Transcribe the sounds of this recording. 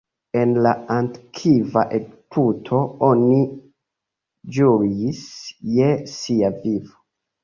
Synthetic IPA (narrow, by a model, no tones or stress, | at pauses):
e̞nlaantkʰivaʔeɡpʰutʰo̞oni | d͡ʒuɾisjesiavivo